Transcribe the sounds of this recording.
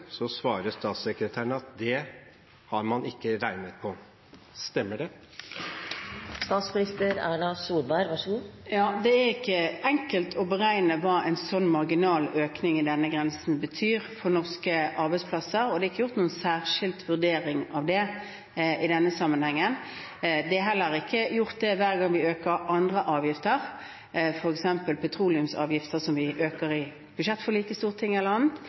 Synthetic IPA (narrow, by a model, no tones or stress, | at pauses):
sɔsʋɑːɾəst̪ɑːt̪sɛkɾət̪ʰæːɳəɑt̪̚d̪ɛ | hɑɾmɑnɪkːəɾæɪnət̪̚pʰɔ | st̪ɛmːəɖɛ | st̪ɑːt̪smɪnɪst̪əɾæːɳɑsuːɾbæɪɾʋɑʂəɡuːjɑːd̪ɛæʁɪkːəɛŋkəlt̪ʰɔbəʁæɪnəʋɑːʔɛɪnsɔnːmɑʁɡɪnɑːløːknɪŋɪd̪ɛnːəɡʁɛnsn̩bət̪ʰyːʁfɔʁnɔʁskəʔɑɾbæɪspʰlɑsəɾɔd̪ɛɪkːəjʊʁt̪nuːənsæːʁʂɪlt̪ʋʉʁd̪eːɾɪŋɑʋd̪ɛ | ʔɪd̪ɛnːəsɑmːənhɛŋːən | d̪ɛæɦɛlːəɾɪkʰːəjʊʁt̪̚d̪ɛʋæːʁɡɑŋʋɪøːkəɾʔɑnd̪ʁəʔɑːʋjɪft̪əʁ | fɔɾɛksɛmpəlpʰɛt̪ʰʁuːlɪʉmsɑ̰ːʋjɪft̪əsɔmʋɪʔøːkəɾɪ | b̥ʉʂɛt̪ːfɔʁliːkəst̪uːʁt̪ʰɪŋːɛlːəʁɑnt̪